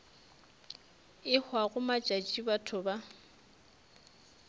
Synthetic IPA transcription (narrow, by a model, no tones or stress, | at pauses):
ɪhwaɣʊmat͡ʃʼat͡ʃʼibatʰʊba